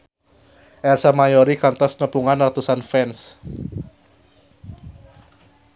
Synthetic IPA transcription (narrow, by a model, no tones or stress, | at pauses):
ʔɛrsamajoɾikant̪ɔsnəpuŋanrat̪usanfɛns